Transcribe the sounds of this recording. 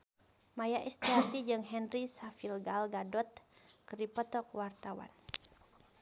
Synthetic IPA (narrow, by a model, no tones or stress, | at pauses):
majaʔɛst̪iat̪id͡ʒɨŋɦɛnrisafilɡalɡadɔt̪̚kəɾipɔt̪ɔkwart̪awa̰n